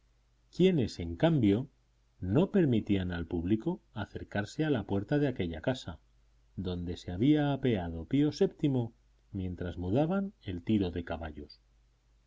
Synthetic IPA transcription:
kje̞ne̞se̞ŋkambjo̞ | no̞pe̞ɾmit̪ianalpuβlikoaθe̞ɾkaɾse̞alapwe̞ɾt̪aðeake̞ʎakasa̰ | ðo̞nd̪e̞seaβ̞iaːpe̞að̞o̞pio̞se̞pt̪imo̞ | mjẽ̞nt̪ɾazmuðaβane̞lt̪iɾo̞ðe̞kaβaʎo̞s

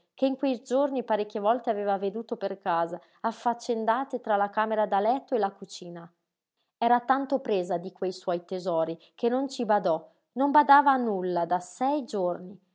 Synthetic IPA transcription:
keiŋkwejd͡ʒornipaɾekːevɔlt̪eaveːvaved̪uːt̪operkaːza | afːat͡ʃːend̪aːt̪et̪ɾalakaːmeɾad̪alɛt̪ːoelːakut͡ʃiːna | ɛːɾat̪ant̪opɾeːzad̪ikwejswɔjt̪ezɔːɾi | kenːont͡ʃibad̪ɔ | nombad̪aːvanːulːad̪asɛjd͡ʒorni

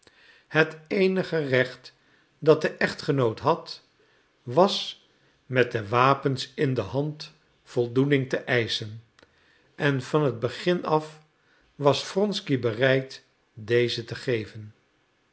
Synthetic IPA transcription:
hətejnəχərɛχt | dɑt̚dəʔɛχtχənowtɦɑt | ʋɑs | mɛt̚dəʋaːpənsɪndəɦɑnt | fɔlˠdunɪŋtəʔɛjsən | ʔɛnvɑnɦəd̚bəχɪnɑf | ʋɑsfrɔnskibərɛjt | dejzətəχejvən

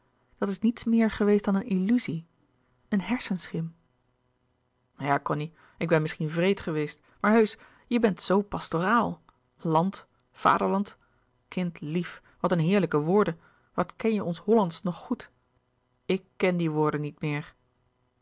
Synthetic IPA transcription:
d̥ɑtɪsnitsmɪːɹχəʋejstd̥ɑnənilyzi | ənɦɛɹsənsχɪm | jaːkɔni | ɪɡ̚bɛnmɪsχinvrejtχəʋejst | maːɹɦøɥs | jəbɛntsowpɑstoraːlˠ | lɑnt | fa̰ːdəɹlɑnt | kɪntlif | ʋɑtənɦɪːɹləkəʋʊːɹdə | ʋɑtkɛnjəɔnsɦɔlɑntsnɔχːut | ɪkːɛndiʋʊːɹdənitmɪːɹ

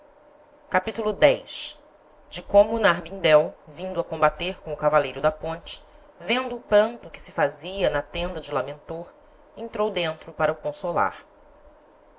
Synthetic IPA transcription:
kapit̪ulʊd̪ɛjʃ | d͡ʒɪkõmʊːnaɦbĩnd̪ɛwvĩnd̪ʊɐkõmbat̪eɾkõw̃ʊkavalejɾʊd̪ɐpõnt͡ʃɪ̥ | vẽnd̪ʊːpɐ̃nt̪ʊkɪ̥sɪfaziɐnɐt̪ẽnd̪ɐd͡ʒɪlamẽnt̪oɾ | ẽnt̪ɾowd̪ẽnt̪ɾʊpaɾɐʊkõsola̰ɾ

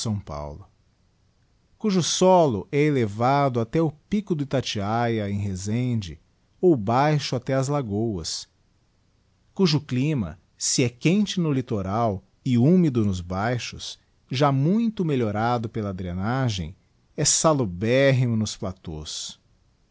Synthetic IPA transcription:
sɐ̃w̃pa̰wlʊ | kuʒʊsɔlʊʔɛelevad̪ʊat̪ɛʊpikʊd̪ʊɪt̪at͡ʃiajɐẽj̃ɦezẽd͡ʒɪ̰ | owbajʃʊat̪ɛɐzlaɡowɐ̰s | kuʒʊklĩmɐ̰ | sɪɛkẽnt͡ʃɪnʊlit̪oɾaw | ɪũmid̪ʊnʊzbajʃʊ̰s | ʒamũj̃t̪ʊmeʎoɾad̪ʊpelɐːd̪ɾienaʒẽj̃ | ɛsalʊbɛɦimʊnʊsplat̪o̰s

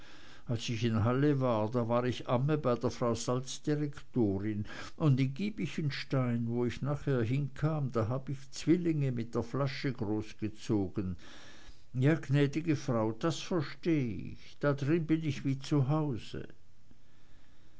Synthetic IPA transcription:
ʔalsɪçɪnɦaləvaːɐdaːvaːʁɪçʔaməbaɪdeːɐfʁ̥aʊzalt͡sd̥iʁɛktoːʁɪn | ʔʊndɪnɡiːbɪçənʃtaɪnvoːɪçnaːχheːɐɦɪnkʰaːmdaːɦaːbəɪçt͡sv̥ɪlɪŋəmɪt̚d̥eːɐflaʃəɡʁoːsɡ̥ət͡soːɡ̥ən | jaːɡnɛːdɪɡəfʁ̥aʊd̥asfɛɐʃteːɪ̰çd̥adʁɪnbɪnɪçv̥iːt͡suɦaʊzə̰

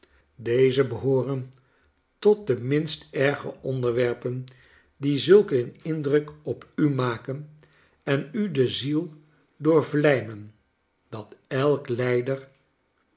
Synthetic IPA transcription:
dejzəbəɦʊːrən | tɔt̚dəmɪnstɛɹχəʔɔndəɹʋɛɹpən | dizɵlˠkənɪndrɵkɔpymaːkən | ɛnydəzilˠ | dʊːɹvlɛjmən | d̥ɑtɛlˠklɛjdəɹ

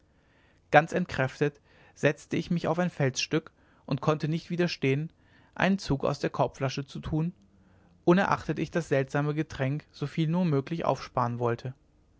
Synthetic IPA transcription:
ɡ̥ant͡sɛntkʁ̥ɛftət | z̥ɛt͡stəɪçmɪçaʊfaɪnfɛlsʃtʏk | ʔʊntkʰɔntənɪçtv̥iːdɐʃteːən | ʔa̰ɪnənt͡suːka̰ʊsd̥eːɐkʰɔɐp͡flaʃət͡sutʰuːn | ʔʊnɛɐʔa̰χtətɪçd̥asz̥ɛltz̥aːməɡətʁ̥ɛŋkz̥ofiːlnuːɐmøːklɪçʔa̰ʊfʃpaːʁənvɔltʰə

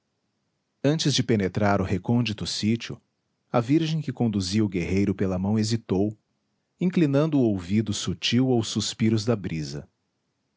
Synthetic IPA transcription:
ɐ̃nt͡ʃɪzd͡ʒɪpenet̪ɾaɾʊhekõnd͡ʒit̪ʊsit͡ʃiʊ̰ | ɐviɾʒẽj̃kɪkõnd̪uziʊɡeɦejɾʊpelɐmɐ̃w̃ezit̪ow | ĩŋklinɐ̃nd̪ʊːowvid̪ʊsut͡ʃiwawsuspiɾʊzd̪ɐbɾizɐ̰

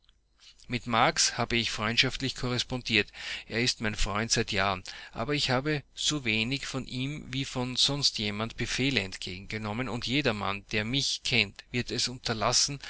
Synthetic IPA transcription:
mɪtmaɐkshaːbəɪçfʁ̥ɔʏntʃaftlɪçkʰɔʁɛspɔndiːɐtʔeːɐɪstmæɪnfʁ̥ɔ̰ʏntsæɪtjaːʁənʔa̰ːbɐɪçhaːbəz̥oːveːnɪçfɔnʔiːmviːfɔnz̥ɔnstjeːmantb̥əfeːləɛntɡ̥ḛːɡŋ̩ɡənɔmənʊntjeːdɐma̰nd̥eːɐmɪçkʰɛntv̥ɪɐtɛsʊntɐlasn̩

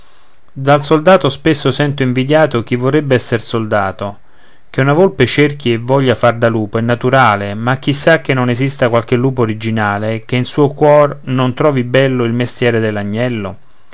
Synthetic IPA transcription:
d̪alsold̪aːt̪ospesːosɛnt̪oiɱvid̪jaːt̪ok̟ivːorːebːeɛsːersold̪aːt̪o | k̟eunavolpet͡ʃerk̟ievːɔʎːafard̪aluːpoɛnːat̪uɾaːlemak̟ːisːak̟ːenːonezist̪akwalk̟elːuːpoːɾid͡ʒinaːlek̟einsuːokwɔrnont̪ɾɔːvibɛlːoilmest̪jɛːɾed̪elːaɲːɛlːo

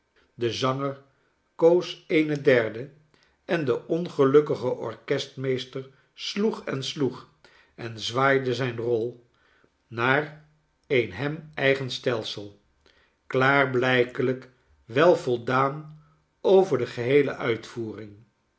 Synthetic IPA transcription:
dəzɑŋəɹ | kowsejnədɛɹdə | ɛndəʔɔnχəlɵkəχəʔɔɹkɛstmejstəɹ | sluχɛnsluχ | ɛnzʋaːjdəzɛjnrɔlˠ | naːɹ | ejnɦɛmɛjχənstɛlˠsəlˠ | klaːrblɛjkələk | ʋɛlˠvɔlˠdaːn | owvəɹdəχəɦejlə̰ʔœɥtfuːrɪŋ

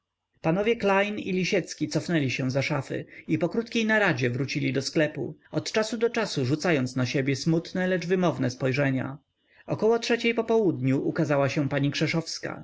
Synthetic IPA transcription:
panɔvʲjɛklajnḭlʲiɕɛt̪skʲit̪sɔfnɛlʲiɕɛ̃zaʂafɘ̰ipɔkɾut̪kʲejnaɾad͡ʑɛvɾut͡ɕilʲid̪ɔsklɛpṵɔt̪t͡ʂasud̪ɔt͡ʂasuʐut̪sajɔnt̪naɕebʲjɛsmut̪nɛlɛd͡ʐvɘmɔvnɛspɔjʐɛɲa̰ | ɔkɔwɔtʂɛt͡ɕejpɔpɔwud̪ɲuʔukazawaɕɛ̃paɲikʂɛʂɔfska̰

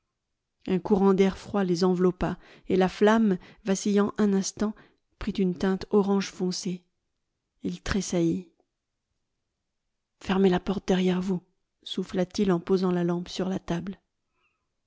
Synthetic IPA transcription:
ɛ̃kuʁɑ̃d̪ɛʁfχwalezɑ̃vlɔpa | elaflamvasijɑ̃ʔɛ̃nɛ̃st̪ɑ̃ | pχit̪ynt̪ɛ̃t̪ɔʁɑ̃ʒfɔ̃se | ilt̪χesaji | fɛʁmelapɔʁt̪̚d̪ɛʁjɛʁvu | suflat̪ilɑ̃pozɑ̃lalɑ̃psyʁlat̪abl

